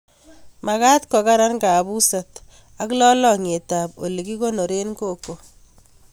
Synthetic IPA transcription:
ma˨ka˦tkɔ˨ka˦ɾa˦nka˨βu˦sa˨t | a˦klɔ˦lɔ˦˨ŋe˨ta˨po̰˨li˨ki˦ko˦no˨ɾe˦nko˦˨ko˨

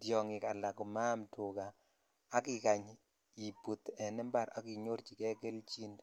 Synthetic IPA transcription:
djɔ˨ŋɪ˨ka˨la˨kɔ˨ma˦mtʰo˨ɡaː˨˦ | kɪ˦˨ka˨ɲ | i˨pu˨t̪ɛ˨nɛ˦mba˦˨ɾa˦ki˨ɲo˦ɾt͡ʃi˨kɛ˦ke˦lt͡ʃi˦nd

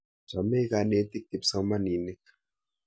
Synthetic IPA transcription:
zʷa˨me˦ka˨ne˨˦t̪i˦k̚t̪i˨psa˦ŋ˦ma˦ni˨ne˦k

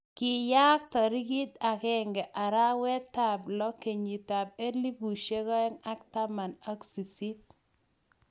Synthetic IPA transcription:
ki˨ja˦k̚t̪ɔ˨ɾi˦ɡi˦t̪a˨kɛ˦ŋɡɛ˨ʔa˨ɾa˦wɛ˦t̪ːa˨blɔ˦ke˨ɲi˨ta˨b̚e˦li˦bu˨ʃe˦kɔ˦ɛ˦ŋa˦kta˦ma˨na˦ksi˨si˦t̪̚

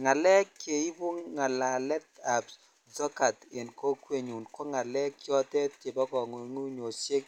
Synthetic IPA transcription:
ŋa˨lɛ˦kːe˨i˦bʊ˦ŋa˨la˨lɛ˦ta˨ps | d͡ʒɔ˦ka˨tɪ˨nko˦kwe˦ɲu˨nkɔ˦ŋa˨lɛ˦kːjɔ˦tɛ˦te˨bɔ˦kɔ˨ŋo˨˦ŋu˦ɲo˨se˦k

